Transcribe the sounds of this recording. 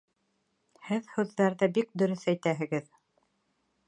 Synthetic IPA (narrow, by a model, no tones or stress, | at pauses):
hɘðhʉðːæɾðɘbik̚d̪ɵ̆ɾɵθæjt̪æɦɘ̆ɡɘð